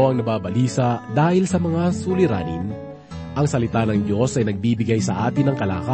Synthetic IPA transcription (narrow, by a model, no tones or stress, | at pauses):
ɐŋnɐbaːbɐliːsɐd̪aːhɪlsɐmɐŋasulɪɾa̰ːnɪn | ʔɐŋsɐlɪt̪anɐŋd̪jo̞sɐjnɐɡ̚biːbɪɡajsɐ̰ʔa̰ːt̪ɪnɐŋkɐla̰ːka